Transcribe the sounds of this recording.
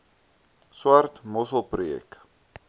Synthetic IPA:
swartmɔsəlˠprujɛ̰k

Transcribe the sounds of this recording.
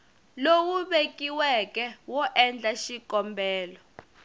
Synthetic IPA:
lowuɓekʼiwɛkʼɛwɔʔɛnd͡ɮaʃikʼɔmbʱɛːlɔ

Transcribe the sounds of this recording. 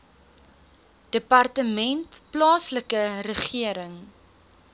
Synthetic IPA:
d̥əpɑrtəmɛntplɑːsləkərəχiəɾəŋ

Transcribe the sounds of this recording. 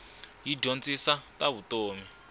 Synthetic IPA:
jiɟont͡sʼisatʼaβutoːmi

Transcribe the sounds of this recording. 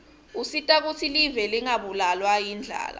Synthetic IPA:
usitʼak̬ut͡sʰilivɛliŋaɓulalwajind͡ɮʱa̰ːla̰

